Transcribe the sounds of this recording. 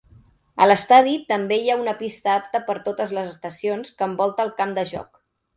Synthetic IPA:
ə̰ləst̪aðit̪əmbejaunəpist̪əap̚t̪əpəɾt̪ot̪əzləzəst̪əsionskəːmbɔlˠt̪əːlˠkamd̪əʒɔ̰k

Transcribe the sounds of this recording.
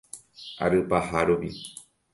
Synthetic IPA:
a̰ɾɨpahaɾupi

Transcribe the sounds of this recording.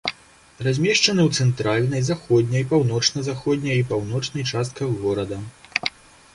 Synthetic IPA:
razʲmʲɛʂt͡ʂɐnɨwt̪sɛnt̪ɾalʲnɐjzaxɔd̪ʲnʲɐjpawnɔt͡ʂnɐzaxɔdʲnʲɐjipawnɔt͡ʂnɐjt͡ʂast̪̚kɐɣɔɾɐd̪ɐ

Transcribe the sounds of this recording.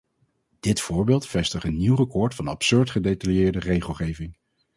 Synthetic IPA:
d̥ɪtfʊːɹbɪːlˠtfɛstəχənːiwrəkɔɹtfɑnɑ̰psøɹtχədetɑljɪːɹdərejχəlˠχejvɪŋ

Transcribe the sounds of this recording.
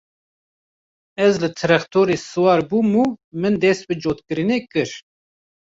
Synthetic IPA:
ɛzlɨt̪ʰɨɾɛxt̪ʰoːɾeːsɨwɑːɾbuːmuːmɨnd̪ɛst̪̚bɨd͡ʒoːt̪kɨɾɨneːkɨɾ

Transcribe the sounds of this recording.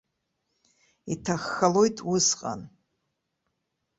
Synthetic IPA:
itʰaxːalo̞jtʼwʊsqʼa̰n

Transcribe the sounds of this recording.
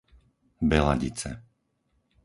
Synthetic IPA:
bɛla̰ɟit͡sɛ̰

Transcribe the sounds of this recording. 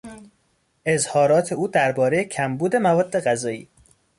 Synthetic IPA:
ʔe̞zhɒːɾɒːt̪ʰe̞uːd̪æɾbɒːɾejecʰæmbuːd̪e̞mævɒːd̪ːe̞ɣæzɒːḭː

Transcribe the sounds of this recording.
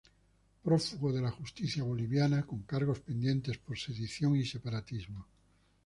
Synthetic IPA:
pɾofuɣoðe̞laxust̪iθjaβ̞o̞liβjanako̞ŋkaɾɣ̞o̞spẽ̞nd̪jẽ̞nt̪espo̞ɾse̞ðiθjoŋise̞paɾat̪izmo

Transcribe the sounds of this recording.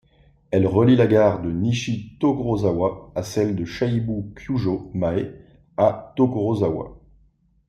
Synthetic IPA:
ɛlʁəlilaɡaʁd̪əniʃit̪oɡʁozawaasɛld̪əʃaibukʰjuʒomae | at̪okʁozawa̰

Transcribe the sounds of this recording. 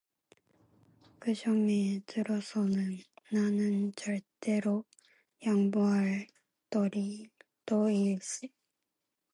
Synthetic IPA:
kɯɕoŋetɯɾʌsonɯnːanɯnt͡ɕaɭt̪eɾo | jaŋboɦaɭ | t̪oɾi | t̪oiɭɕi

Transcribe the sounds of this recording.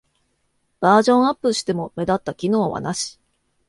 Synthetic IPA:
b̥aːʑõ̞ɰ̃apːɯɯ̟ɕi̥t̪e̞mo̞me̞d̪at̪ːakʲino̞ːβa̰naɕi̥

